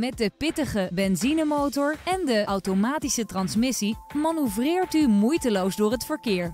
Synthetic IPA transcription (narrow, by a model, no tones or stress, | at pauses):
mɛt̚dəpɪtəχəbɛnzinəmowtɔɹɛndəʔɑwtomaːtisətrɑnsmɪsimanyvrɪːɹtymujtəlowzdʊːɹɦətfəɹkɪːɹ